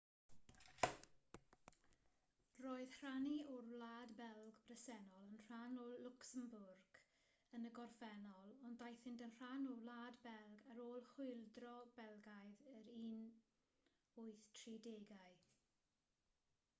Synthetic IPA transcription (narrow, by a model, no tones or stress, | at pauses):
roːɨð̥hr̥aniɔrlaːdbɛlˠɡbrəsɛnɔlˠənr̥anollʊksəmbʊrɡ̥ | ənəɡɔrfɛnɔlˠɔndajθɪndənr̥anulaːdbɛlˠɡaɾoːlˠχʊɨlˠdrɔbɛlˠɡajðəɾiːn | ʊɨθtʰrideːɡaɨ